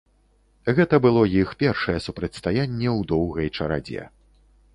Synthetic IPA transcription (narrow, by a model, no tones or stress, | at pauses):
ɣɛt̪ɐbɨlˠɔjixpʲɛrʂɐjɛsupɾɐt͡sʲst̪ajanʲːɛwd̪ɔwɣɐjt͡ʂɐɾa̰d͡zʲɛ̰